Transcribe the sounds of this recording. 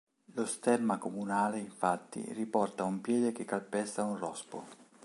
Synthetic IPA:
lost̪ɛrmakomunaːleiɱfat̪ːḭripɔrt̪aumpjɛːd̪ek̟ekːalpɛst̪aunrɔspo̰

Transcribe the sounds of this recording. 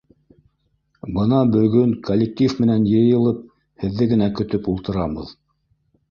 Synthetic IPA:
bɤnɑbɵ̆ɡɵŋkolʲːek̚t̪ʲifmɘ̆nænjɤ̆jɤ̆lˠɤp̚ | hɘ̆ðːɘɡɘ̆nækɵ̆t̪ɵpulˠt̪ɤ̆ɾɑβɤ̰ð

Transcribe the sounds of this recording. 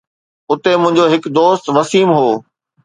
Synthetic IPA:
ʊt̪emʊ̃ɦɪ̃ɲ̆d͡ʑoɦɪkd̪oːst̪ʋɐsiːmɦoː

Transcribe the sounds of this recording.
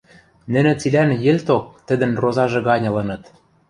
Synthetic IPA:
nɘ̆nɘ̆t͡silænjɘ̆lʲt̪ok̚t̪ɘ̆d̪ɘ̆nrozɑʒɤ̆ɣɑnʲɤ̆lɤ̆nɤ̆t̪

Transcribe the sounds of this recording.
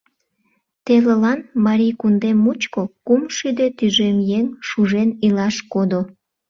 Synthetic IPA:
t̪elelɑnmɑɾijkund̪emːut͡ɕkokumʃyd̪et̪yʒemjeŋʃuʒenilɑʃkod̪o

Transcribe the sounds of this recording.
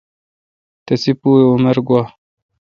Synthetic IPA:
t̪ɐsipuːumeɾɡwaː

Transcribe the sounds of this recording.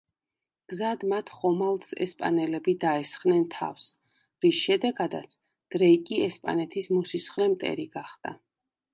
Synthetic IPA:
ɡ̥zad̪mat̪ʰχɔmalˠt̪sɛ̰spʼa̰nɛlɛbid̪aɛsχvnɛnt̪ʰa̰fs | ɾisʃɛd̪ɛɡad̪a̰t̪sʰ | d̪̥ɾɛikʼiɛspʼa̰nɛt̪ʰismusisχlɛmt̪ʼɛ̰ɾiɡaχd̪̥a̰

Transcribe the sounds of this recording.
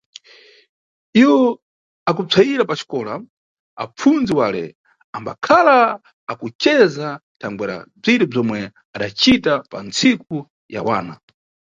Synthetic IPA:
iwɔ | akut͡sʰaiɾapat͡ʃi̥kɔːla | a̰p͡fund͡ziwaːlɛ̰ | amba̰kʰalaː | kut͡ʃɛzatʰaŋɡwɛɾa̰b͡ʐiɾɛb͡ʐɔmwɛ | aɗat͡ʃitapa̰nt͡sik̚u | ja̰wa̰ːna

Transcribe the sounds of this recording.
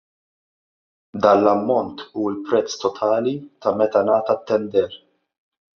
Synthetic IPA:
d̪ɐːnlɐmːɔnt̪uːɪlpɾɛt͡sːt̪ɔt̪ʰɐːlit̪ɐmɛt̪ɐnɐːt̪ɐt̪ːɛnd̪ɛɾ

